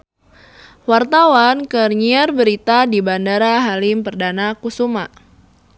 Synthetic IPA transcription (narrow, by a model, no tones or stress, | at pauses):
wart̪awankərɲiarbəɾit̪adibandaɾaɦalimpərdanakusuma